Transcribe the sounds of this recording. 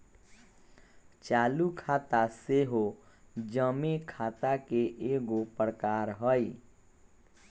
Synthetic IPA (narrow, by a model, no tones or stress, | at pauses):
t͡ʃaːlukʰaːt̪aseɦo | d͡ʒəmekʰaːt̪akeʔeːɡopɾəkaːɾɦəi